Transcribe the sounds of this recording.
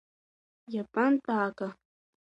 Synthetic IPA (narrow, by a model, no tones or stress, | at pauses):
japant̪aːka